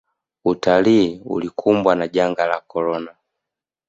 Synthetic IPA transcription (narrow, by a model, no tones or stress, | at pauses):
utaliːṵlikʰumbwanaɟaŋɡalakɔlɔna